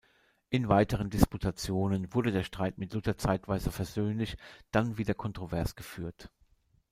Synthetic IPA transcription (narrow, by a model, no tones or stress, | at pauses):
ʔɪnvaɪtəʁ̞əndɪsputʰat͡sjoːnənvʊɐdədeːɐʃtʁ̥aɪtmɪtlʊtɐt͡saɪtv̥aɪzəfɛɐzøːnlɪçd̥anviːdɐkʰɔntʁ̥ovɛɐsɡ̥əfyːɐt